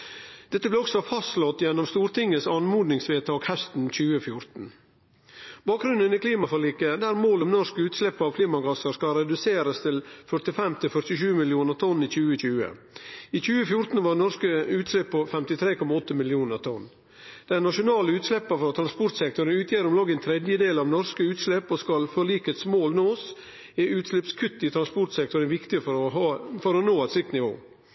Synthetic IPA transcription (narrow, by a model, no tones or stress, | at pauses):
d̪̥ɛt̪ːəblɛɔksɔfɑst̪lɔt̪ːjɛnːɔmst̪uːɾt̪ɪŋːəsɑnmuːd̪nɪŋsʋeːt̪ʰɑːkhɛst̪n̩c͡çʉːəfjʊɾt̪n̩ | b̥ɑːk̚ɡɾʉnənɪkʰliːmɑfɔɭiːkəd̪æːɾmoːlɔmnɔʂkəʉːt̪slɛpːəɑːʋkʰliːmɑɡɑsəɾskɑɾɛd̪ʉseːɾəst̪ʰɪlfœʈ̪ɪfɛmt̪ʰɪlfœɾʈ̪ɪʃʉːmɪlɪuːnəɾt̪ʰɔnːiːçʉːəc͡çʉːə̰ | iːc͡çʉːəfjʊɾt̪n̩ʋɑɾnɔskəʉːt̪slɛpʰːɔfɛmt̪ɪt̪ʰɾeːkʰɔmːɑɔt̪ːəmɪlɪuːnəɾt̪ʰɔnː | d̪̥ɛɪnɑʂʊnɑːləʉːt̪slɛpːəfɾɑt̪ʰɾɑnspɔɾʈ̪sɛk̚t̪ʊɾənʉːt̪ʰjeːɾɔmlɑɡɛnt̪ʰɾɛd̪jəd̪eːlɑʋnɔɾskəʉːt̪slɛpːɔskɑlfɔɭiːkəɛt̪smoːlnoːs | ɛʉːt̪slɛpskʰʉt̪ːɪt̪ʰɾɑnspɔɾt̪sɛk̚t̪ɔɾənʋɪkt̪ɪəfɔɾɔɦɑfɔɾɔnoːæt̪sɪk̚t̪nɪʋo̰ː